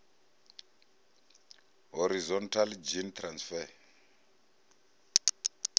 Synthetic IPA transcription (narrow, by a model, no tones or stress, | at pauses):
ɦɔɾizɔntʰald͡ʒintʰransfɛ